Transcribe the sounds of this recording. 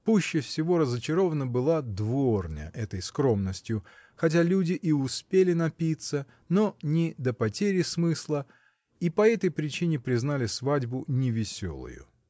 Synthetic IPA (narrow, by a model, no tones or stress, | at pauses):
puɕːɪfsʲɪvo̞ɾəzət͡ɕɪɾo̞vənəbɨlˠad̪vornʲə̰ʔɛt̪əjskɾo̞mnəsʲtʲjʊxɐt̬ʲalʲudʲɪʔiʊspʲelʲɪnɐpʲit̪sə | no̞nʲɪd̪əpɐtʲeɾʲɪsmɨslˠə | ipɐɛt̪əjpɾʲɪt͡ɕinʲɪpɾʲɪznalʲɪsvadʲbʊnʲɪvʲɪsʲo̞̰lˠʊ̰jʊ̰